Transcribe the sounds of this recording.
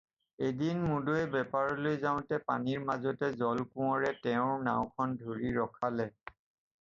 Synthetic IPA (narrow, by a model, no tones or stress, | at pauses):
edinmudoɛbɛpaɹɔlojzaʊ̃tɛpa̰niɹmazɔtɛzɔlkʊ̃ɔɹɛtɛʊ̃ɹna̰ʊ̃kʰɔndʱoɹiɹɔkʰalɛ